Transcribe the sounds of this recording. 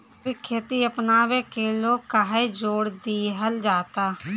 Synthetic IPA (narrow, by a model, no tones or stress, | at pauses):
ikʰːeːt̪iəpnaːwekeloːkaɦed͡ʒoːɽd̪iɦəld͡ʒaːt̪aː